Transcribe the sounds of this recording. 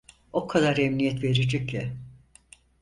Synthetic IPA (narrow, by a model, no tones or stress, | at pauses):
o̞kʰad̪aɾemnijɛt̪ve̞ɾid͡ʒɛcjɛ